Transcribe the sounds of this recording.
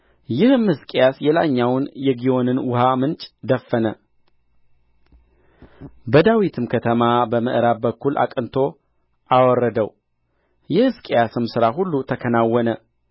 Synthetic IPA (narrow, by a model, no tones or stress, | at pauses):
jɪhɨmhɨskʼejasjɛlaɲːawnjɛɡijo̞nɨnwʊhamɨnt͡ʃʼd̪əfːənə | bəd̪awit̪ʰɨmkʰət̪ʰəmabəmɨ̰ʔɨɾabbəkʰːulʔa̰kʼɨnt̪ʰo̞ | ʔawɔrːəd̪əw | jɛhɨskʼejasɨmsɨɾaɦulːut̪ʰəkʰənawːɔnə